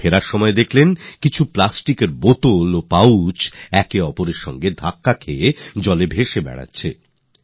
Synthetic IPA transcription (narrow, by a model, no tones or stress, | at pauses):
eɾaɾʃɔmɔed̪ekʰlenkit͡ɕʰuplasʈikeɾbot̪olopawt͡ɕɛkeɔpoɾeɾʃɔ̰ŋɡed̪ʱakːakʰeed͡ʑɔlebʱeʃebɛ̰ɽa̰tːɕʰḛ